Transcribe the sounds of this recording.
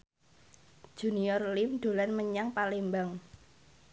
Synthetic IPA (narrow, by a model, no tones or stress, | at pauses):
d͡ʒ̥ṳniɔrlɪmɖ̪̥o̤lanməɲaŋpalembaŋ